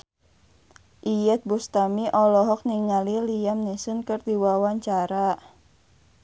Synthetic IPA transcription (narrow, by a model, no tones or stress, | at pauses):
ʔijɛt̪̚bust̪amiʔɔlɔɦɔk̚niŋaliliamnisunkɨrd̪iwawaɲt͡ʃaɾa